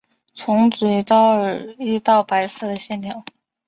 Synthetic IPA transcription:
t͡sʰʊ˧˥ŋt͡si˨˧i˧˥t̪ɑ˥˩ʊ˨i˥˧t̪ɑ˥˩ʊpa˧˥ɪsɤ˥˩d̪ə˩ɕjɛ˥˩njɑ˨˩˦ŋ

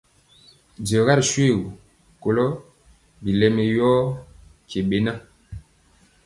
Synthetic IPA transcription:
di˨ɔ˨ɣa˦ɾʃwe˦˨ɣu˨ | ko˨lɔ˦ | bi˨lɛ˦mɛ˨jɔ˦ | ke˨ɓe˨na˦

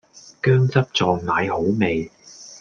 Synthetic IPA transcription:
kœː˥ŋt͡sɐ˥p̚t͡sɔː˨˧ŋmaː˨˧jho˨˥wme˨j

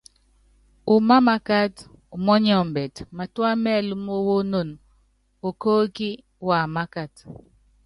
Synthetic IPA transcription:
u˨ma˦ma˦ka˦t | u˨mɔ˦ɲ˦ɔ˨m̩˨bɛ˨tma˨twa˦mɛ˦˨lu˦mo˦wo˦no˦˨n | o˨ko˦ki˦ | wa˨ma˦ka˨t

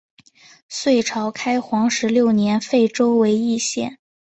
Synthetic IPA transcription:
swe˥˩ɪʈ͡ʂʰɑ˧˥ʊkʰa˥ɪxwɑ˧˥ŋʂɻ̩˧˥ljo˥˩ʊnjɛ˧˥nfe˥˩ɪʈ͡ʂo˥ʊwe˧˥ɪi˥˧ɕjɛ̰˥˩n

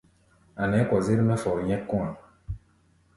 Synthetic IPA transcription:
a˨nɛ˨˦kɔ˨ze˦ɾi˦mɛ˦fɔ˨ɾɲɛ̃˦kːɔ̃˦a˨

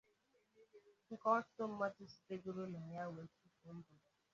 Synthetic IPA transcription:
ŋ̩˦kɔ˦a˦sʊ̥˦tʊ˦m̩˦ma˦tʊ˦si̥˨te˦ɡo˦ɾo˦na˨ja˦we˨˦tu˦ko˨m̩˦bʊ˨

